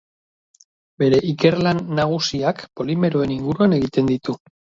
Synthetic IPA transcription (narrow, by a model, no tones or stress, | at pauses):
be̞ɾe̞ʔike̞ɾlanːaɣ̞usiakpo̞lime̞ɾo̞e̞niŋɡuɾuane̞ɣit̪e̞nd̪it̪u